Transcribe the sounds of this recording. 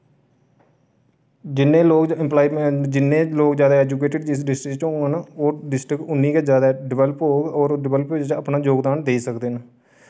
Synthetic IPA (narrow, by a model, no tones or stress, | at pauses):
d͡ʒɪnːẽːloːkɪmplaːiːmed͡ʒɪnːẽːloːkd͡ʒjaːd̪aːɛːd͡ʒuːkeːʈɪɖd͡ʒɪsɖɪsʈɾɪkt͡ʃɦõɡaːnoːɖɪsʈɾɪkʊnːĩːked͡ʒjaːd̪aːɖɪʋɛːləpɦoːɡɔːɾɖɪʋɛləpoːd͡ʒt͡ʃəpnaːd͡ʒoːɡd̪aːnd̪eːiːsəkd̪eːnə